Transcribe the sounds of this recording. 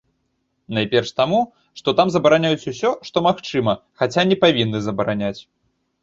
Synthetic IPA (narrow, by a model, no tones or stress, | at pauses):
najpʲɛrʂt̪amu | ʂt̪ɔt̪amzɐbɐɾanʲajut͡sʲusʲɔʂt̪ɔmaxt͡ʂɨmɐxat͡sʲanʲɛpavʲinːɨzɐbɐɾanʲat͡sʲ